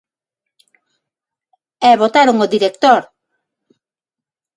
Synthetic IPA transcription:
ɛβot̪aɾoŋoðiɾek̚t̪oɾ

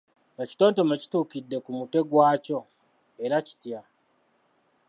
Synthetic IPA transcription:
eci̥toːnto̞meci̥tuːkidːe̞kumutwe̞ɡwaːco̞ | eɾaci̥tija

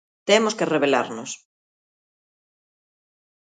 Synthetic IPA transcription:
t̪emoskereβela̰ɾnʊs

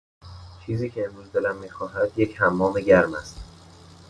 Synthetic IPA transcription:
t͡ʃʰiːziːcʰe̞ːmɾuːzd̪e̞læmːiːxɒːɦæd̪jechæmːɒːme̞ɟæɾmæst̪

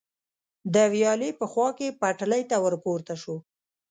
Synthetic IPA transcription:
d̪əwjɑlepəxwɑkepaʈləjt̪awəɾpoɾt̪aʃo

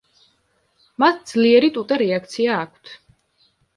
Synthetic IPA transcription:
mat̪d̪z̥liɛɾit̪ʼut̪ʼɛɾɛak̚ʰt̪sʰiaːkʰwt̪ʰ

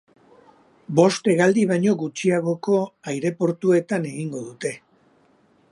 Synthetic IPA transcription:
bo̞st̪e̞ɣald̪iβ̞aɲo̞ɣut͡ʃiaɣ̞o̞ko̞ajɾe̞po̞ɾt̪ue̞t̪ane̞ɣiŋɡo̞ðut̪e̞

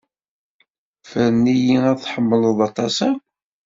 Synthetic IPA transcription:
fəɾnːijiæθħəmːələðˤɑt̪ˤɑsæ

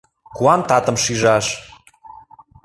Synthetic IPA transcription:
kuɑnt̪ɑt̪ə̆mʃiʒɑʃ

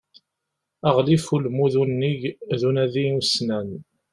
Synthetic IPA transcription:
əʁlifulmuðunːiʝðunæðiusnæn

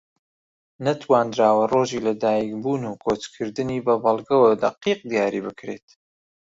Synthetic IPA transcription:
nɐt̪ʰwaːnd̪ɾaːwɐroʒilɐd̪aːjikbuːnuːkʰot͡ʃkʰɨɾd̪ɨniːbɐbɐlˠɡɐwɐd̪ɐqiːq̚d̪ijaːɾibɨkɾet̪

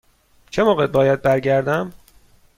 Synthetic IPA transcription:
t͡ʃʰemoːɣed̪̚bɒːjæd̪̚bæɾɟæɾd̪æm

